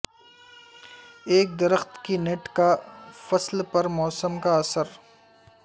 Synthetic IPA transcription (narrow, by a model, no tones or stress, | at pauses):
eːk̚d̪ɐɾəxt̪kineʈkafɐslpɐɾmɔːsəmkaɐsəɾ